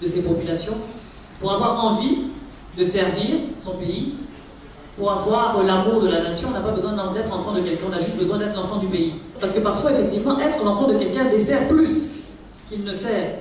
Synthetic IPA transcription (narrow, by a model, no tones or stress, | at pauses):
d̪əsepɔpylasjɔ̃ | puʁavwaʁɑ̃vi | d̪əsɛʁviʁsɔ̃pei | puʁavwaʁlamuʁd̪əlanasjɔ̃ɔ̃napabəzwɛ̃d̪ɑ̃d̪ɛt̪χɑ̃fɑ̃d̪əkʲɛlkʲɛ̃ɔ̃naʒyst̪̚bəzwɛ̃d̪ɛt̪χəlɑ̃fɑ̃d̪ypeipaʁsə̥kəpaʁfwaefɛk̚t̪ivmɑ̃ʔɛt̪χəlɑ̃fɑ̃d̪əkʲɛlkʲɛ̃d̪esɛʁplys | kʲilnəsɛːʁ